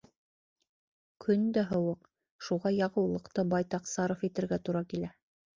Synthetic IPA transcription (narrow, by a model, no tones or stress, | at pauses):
kʰɵnd̪æɦɤ̆wɤq | ʃuʁɑjɑʁɤ̆wlˠɤ̆qt̪ɤbɑjt̪ɑqsɑɾofit̪ɘ̆ɾɡæt̪uɾɑkilæ